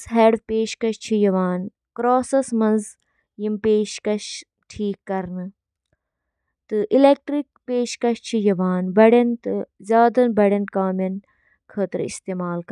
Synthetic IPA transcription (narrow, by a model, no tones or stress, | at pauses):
sɦeːɖpeːʃkɐʃt͡ʃʰijɐʋaːn | kɾoːsɐsmɐ̃nz | jimpeːʃkɐʃ | ʈʰiːkːɐɾnɨ | t̪ɨʔileːk̚ʈɾik̚peːʃkɐʃt͡ʃʰijɐʋaːnbɐɽɐnt̪ɨzjaːd̪ɐnbɐɽʲɐnkaːmɐn | kʰəːt̪ɾḭst̪eːmaːlkɐ